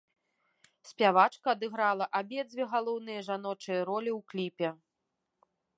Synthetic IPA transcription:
sʲpʲavat͡ʂkɐːd̪ɨɣɾalˠɐʔabʲɛd̪d͡z̪ʲvʲɛɣalˠɔwnɨjɐʐanɔt͡ʂɨjɐɾɔlʲiwklʲipʲɛ

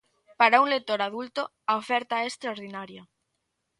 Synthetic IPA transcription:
paɾauŋlek̚t̪oɾaðult̪o | aofɛɾt̪aɛest̪ɾaoɾðinaɾja

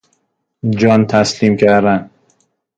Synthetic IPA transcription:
d͡ʒɒnt̪ʰæslimkʰæɾd̪æn

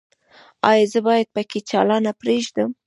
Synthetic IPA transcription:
ɑ̰jɑzəbɑjad̪̚pəket͡ʃɑlɑnapɾeʒd̪əm

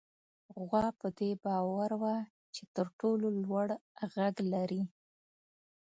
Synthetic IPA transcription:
ɣwɑpəd̪ebɑwaɾwa | t͡ʃet̪əɾʈololwaɽɣaɡlaɾi

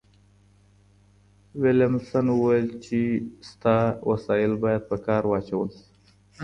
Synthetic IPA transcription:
wɪljamsanwəwajɪlt͡ʃest̪ɑwʔasɑɪlbɑjad̪̚pəkɑɾwɑt͡ʃawəli̥

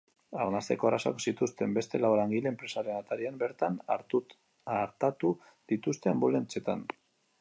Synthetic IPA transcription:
aɾnast̪e̞̰ko̞araso̰ksit̪ust̪e̞mbe̞st̪e̞lalaŋɡile̞ːmpɾe̞saɾe̞nat̪aɾiambe̞ɾt̪anaɾu | aɾt̪at̪u | ðit̪ust̪e̞ambolent͡se̞t̪an

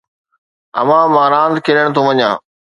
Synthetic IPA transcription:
ɐ̰ʋãːmaːɾãːnt̪kʰɪɾəɽ̃t̪ʰõːʋɐɲã̰ː

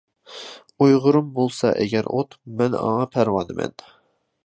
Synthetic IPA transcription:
ujʁʊɾumbolˠsɑʔɛ̰ɡʲɛɾot̪mɛnɑ̰ŋɑpʰæɾwɑnɨmɛ̰n

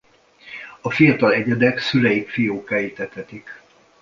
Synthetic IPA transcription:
ɒfijɒt̪ɒlɛɟɛd̪ɛksylɛjikfijoːkaːit̪ɛt̪ɛt̪ik

